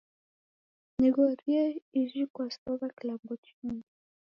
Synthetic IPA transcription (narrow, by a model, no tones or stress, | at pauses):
nɛɡɔɾiaiʒikwasɔβakilambɔt͡ʃuŋ